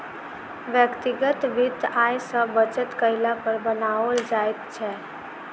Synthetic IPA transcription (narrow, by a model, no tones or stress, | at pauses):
ʋjəkt̪iɡət̪ʋid̪aːjsəbət͡ʃət̪kəɪlapəɾbənaold͡ʒajt̪t͡ʃʰɛ